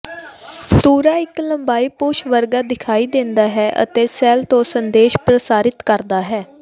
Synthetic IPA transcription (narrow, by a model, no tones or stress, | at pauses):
t̪uːɾaːɪkləmbaːiːpʊʃʋəɾɡaːd̪ɪkʰaːiːd̪ɪ̃nd̪aːɦɛːʔə̰t̪eːsɛːlt̪õːsənd̪eːʃpɾəsaːɾɪt̪kəɾd̪aːɦɛː